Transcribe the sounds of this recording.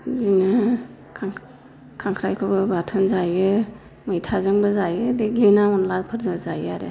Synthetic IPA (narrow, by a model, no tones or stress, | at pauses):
zinɯ | kʰaŋ | kʰaŋkʰɾajkʰɯbɯbatʰɯnzajɯ | mɯjtʰazɯŋbɯzajɯdeɡlinaɔnlapʰɯɾzɯzajaɾḛ